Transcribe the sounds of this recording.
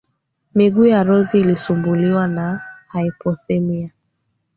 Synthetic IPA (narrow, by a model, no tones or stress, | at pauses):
miɠuːjaɾɔziːlisumbuliwanahaipɔθɛmia